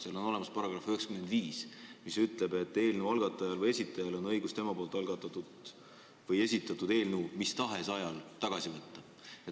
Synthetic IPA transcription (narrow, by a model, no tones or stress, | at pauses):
seɑlo̞no̞lemɑspɑɾɑɡ̥ɾɑføekskymend̪viːsmisyt̪ˑle̞be̞t̪ːe̞ːlnuɑlɡɑt̪ːˑɑjɑlvɤje̞sit̪ːˑɑjɑlo̞nɤ̞jɡust̪e̞mɑpoːlt̪ˑɑlɡ̥ɑt̪ːˑɑt̪ːud̪ | vɤje̞sʲit̪ːˑɑt̪ːˑud̪e̞ːlnumist̪ɑɦe̞sɑjɑlt̪ɑɡ̥ɑsivɤt̪ˑːɑ | et̪